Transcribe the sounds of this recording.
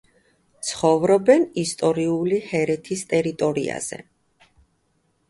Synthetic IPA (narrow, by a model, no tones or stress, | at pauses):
t̪sʰχɔvɾɔbɛnist̪ʼɔɾiulihɛɾɛt̪ʰist̪ʼɛɾit̪ʼɔɾḭa̰z̥ɛ̰